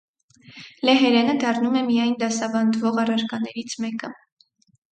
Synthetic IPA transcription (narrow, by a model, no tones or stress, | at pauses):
lɛɦɛɾɛnəd̪ɑrnumɛmijɑjnd̪ɑsɑbɑnd̪vɔʁɑrɑɾkɑnɛɾit͡sʰmɛkə